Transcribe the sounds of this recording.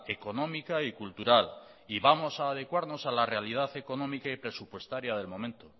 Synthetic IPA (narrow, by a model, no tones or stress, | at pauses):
e̞ko̞nõ̞mikaikult̪uɾal | iβamo̞saːð̞e̞kwaɾno̞salarealiðaθe̞ko̞nomikaipɾe̞supwe̞st̪aɾjað̞e̞lmo̞mẽ̞nt̪o